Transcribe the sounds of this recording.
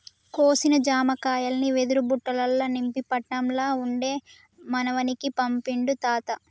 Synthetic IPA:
koːsinɐd͡ʒaːmɐkaːjɐlɐniʋed̪uɾubuʈːɐlɐlːɐnimpipɐʈːɐmlaːuɳɖe̞ː | mɐnɐʋɐnikipɐmpiɳɖut̪aːt̪ɐ

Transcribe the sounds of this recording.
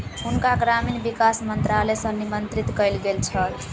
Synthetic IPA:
ɦunkaɡɾaminbikasmənt̪ɾalɛsə̃nimənt̪ɾit̪kəjlɡelt͡ʃʰəl

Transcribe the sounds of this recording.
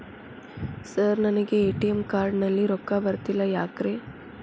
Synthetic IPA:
səɾnɐnɐɡeːʈijemkaːɾɖnɐlːiɾokːabɐɾt̪ilajaːkɾe

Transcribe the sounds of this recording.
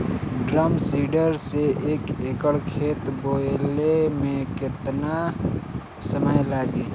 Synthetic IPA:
ɖɾəmsiːɖəɾseʔeːkekəɽkʰeːt̪boːlemẽkɪt̪na | səməjlaːɡiː

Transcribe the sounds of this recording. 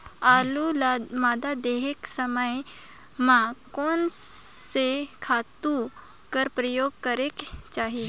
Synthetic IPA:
alulmad̪ad̪eɦeksəməj | mãkonsekʰat̪u | kəɾpɾəjoɡ̚kəɾekt͡ʃaɦi

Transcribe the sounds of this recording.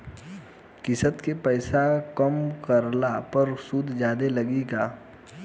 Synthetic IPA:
kɪsət̪kepɛːsakəmkəɾlapəɾsuːd̪ʱd͡ʒaːd̪elɐɡiɡaː

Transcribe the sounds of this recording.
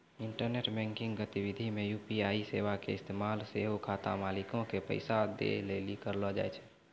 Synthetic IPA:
iɳʈəɾneʈbɛ̃ŋkiŋɡɡət̪ibid̪ʱimejupiaiseʋakeɪst̪emalseɦokʰat̪a̰malikõkepə̰ɪsad̪ḛlelikəɾlɔd͡ʒa̰jt͡ʃʰɛ

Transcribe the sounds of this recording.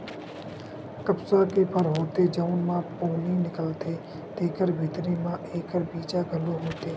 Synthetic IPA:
kəpsakepʰəɾɦoːt̪ed͡ʒəʊnmãːpoːninɪkəlt̪ʰeː | t̪eːkəɾbʱɪːt̪ɾiːmãʔeːkəɾbiːt͡ʃaɡʱəloɦoːt̪eː

